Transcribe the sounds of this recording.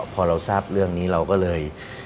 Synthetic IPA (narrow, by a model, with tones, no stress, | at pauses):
pʰɔː˧ɾa˧wsaː˥˩p̚ɾɯ˥˩əŋniː˦˥ɾa˧wkɔː˥˩lɤː˧j